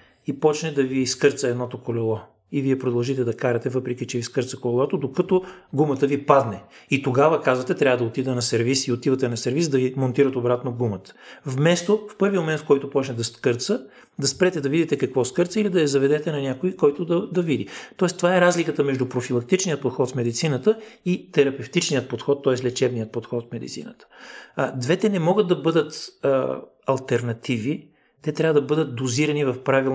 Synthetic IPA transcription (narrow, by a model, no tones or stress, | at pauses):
ipɔt͡ʃnɛd̪ɐviːskɤɾt̪səɛd̪nɔt̪okolɛlˠɔ | iviɛpɾod̪ɐlˠʒit̪ɛd̪ɐkaɾɐt̪ɛvɤpɾɛk̟it͡ʃɛviskɤɾt̪səkolɛlˠɔt̪od̪okət̪oɡumət̪əvipad̪nɛit̪oɡavəkazvɐt̪ɛt̪ɾʲavəd̪ɐot̪id̪ɛnɐsɛɾvisiot̪ivɐt̪ɛnɐsɛɾvisd̪ɐvimont̪iɾɐt̪obɾat̪noɡumət̪ə̥vmɛst̪ofpɤɾvimomɛnt̪fkɔjt̪ʊpɔt͡ʃnɛd̪ɐskɤɾt̪sə | d̪ɐspɾɛt̪ɛd̪ɐvid̪it̪ɛkɐkvɔskɤɾt̪səilid̪ɐjɐzɐvɛd̪ɛt̪ɛnɐnʲjakoikɔjt̪ʊd̪ɐd̪ɐvid̪ḭt̪ɔɛst̪ovaɛɾazlikət̪əmɛʒd̪upɾofilˠɐk̚t̪it͡ʃnijət̪̚pot̪xɔt̪smɛd̪it̪sinət̪əit̪ɛɾɐpɛft̪it͡ʃnijət̪̚pot̪xɔt̪ːɔɛslʲɛt͡ʃɛbnijət̪̚pot̪xɔt̪smɛd̪ḭt̪sḭnət̪ə̥d̪vɛt̪ɛnɛmɔɡət̪̚d̪ɐbɤd̪ət̪ | ɐlˠt̪ɛɾnɐt̪ivi | t̪ɛt̪ɾʲavəd̪ɐbɤd̪ət̪̚d̪oziɾɐnivɐfpɾavilˠ